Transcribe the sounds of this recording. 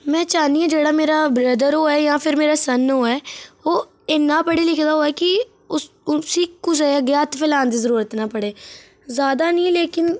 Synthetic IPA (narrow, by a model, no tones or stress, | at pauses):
mɛ̃ːt͡ʃaːnd̪iːãːd͡ʒeːɽaːmeːɾaːbɾəd̪əɾɦoːɛːjãːpʰɪɾmeːɾaːsənoːɛːoː | ɪnːãːpəɽeːlɪkʰd̪aːɦoːɛːkɪ | ʊ | ʊsiːkʊt͡ʃɛɡjaːt̪pʰɪlaːnd̪iːzəɾuːɾət̪naːpəɽeː | zaːd̪aːnĩːleːkɪn